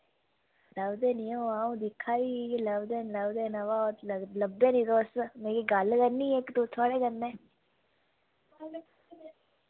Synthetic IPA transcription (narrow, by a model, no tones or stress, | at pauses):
ləbd̪eːnĩõaːũːd̪ɪkʰːaːiːləbd̪eːləbd̪eːnaʋaːoləbːẽːnĩːd̪oːst̪mẽːkiɡəlkəɾniːeːkt̪ut̪ʰaːɽeːkənːẽː